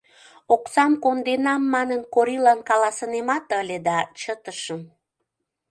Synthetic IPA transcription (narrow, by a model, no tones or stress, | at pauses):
oksɑmkond̪enɑmːɑnənkoɾilɑnkɑlɑsənemɑt̪əlʲed̪ɑt͡ɕət̪əʃəm